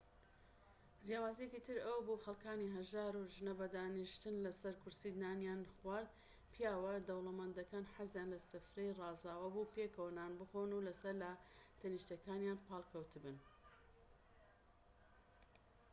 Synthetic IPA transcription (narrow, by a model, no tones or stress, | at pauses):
zjaːwaːzijekit̪ʰɨɾɐwɐbuxɐlˠkaːniɦɐʒaːɾuʒɨnɐbɐd̪aːniʃt̪ɨnlɐsɐɾkʊɾsid̪naːnjaːnxwaːɾd̪ | pʰjaːwɐd̪ɐwlˠɐmand̪ɐkaːnħazjaːnlɐsɨfɾejrɑːzaːwɐbupekʰɐwnaːnbɨxoːnulɐsɐɾlɐt̪ʰɐniʃt̪ɐkaːnjaːnpɑːlˠkʰɐwt̪ʰɨbɨn